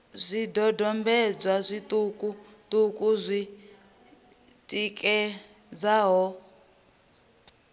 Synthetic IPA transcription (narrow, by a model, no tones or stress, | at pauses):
zʷidɔdɔmbɛd͡zwazʷitʼukʼu | tukʼuzʷi | tʼikʼɛ | d͡zaɦɔ